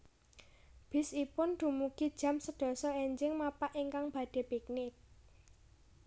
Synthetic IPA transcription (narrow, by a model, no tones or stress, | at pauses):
b̥ɪ̤sipʊnd̪̥ṳmukid̥ʒ̥a̤msəd̥ɔ̤sɔeɲd͡ʒɪŋmapaʔiŋkaŋb̥ä̤ɖ̥e̤pik̚nɪk̚